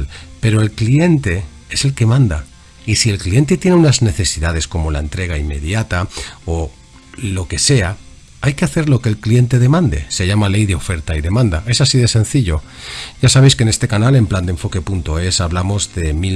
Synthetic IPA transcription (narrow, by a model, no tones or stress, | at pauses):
lpe̞ɾo̞e̞lklie̞nt̪e̞ | e̞se̞lke̞mãnd̪a̰ | isie̞lklie̞nt̪e̞t̪je̞neunazne̞θe̞siðað̞e̞sko̞mo̞lae̞nt̪ɾe̞ɣ̞aimːe̞ðjat̪ao | lo̞ke̞se̞a | ajke̞aθe̞ɾlo̞ke̞ːlklie̞nt̪e̞ðe̞mãnd̪e̞̰se̞ʝamale̞jðe̞o̞fe̞ɾt̪aiðe̞mãnd̪a̰e̞sasiðe̞sẽ̞n̟θiʎo̞ | ɟ͡ʝasaβe̞jske̞ne̞st̪e̞kanale̞mpland̪e̞ɱfo̞ke̞punt̪o̞e̞saβlamo̞zðe̞mi